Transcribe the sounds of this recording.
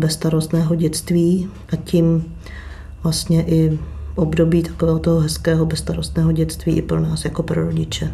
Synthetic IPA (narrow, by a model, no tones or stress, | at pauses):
bɛst̪aɾost̪nɛːɦoɟɛt͡st̪viː | ʔacim | vlast̪ɲɛʔɪʔobdo̞biːt̪ḁkovɛːɦot̪oɦoɦɛskɛːɦobɛst̪aɾost̪nɛːɦoɟɛt͡st̪viːʔɪpɾo̞naːsjako̞pɾoɾoɟɪt͡ʃɛ